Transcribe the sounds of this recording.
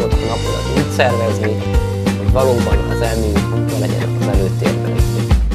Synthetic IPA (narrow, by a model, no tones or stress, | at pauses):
ok̪ɒnɒpolɒ̰t̪uːtsɛrvɛzni | ho̞ɟvɒloːbɒnɒzɛlmiukvɒlɛɟɛ̰nɛ̰kɒzɛløːt̪ːḛːrbɛlɛk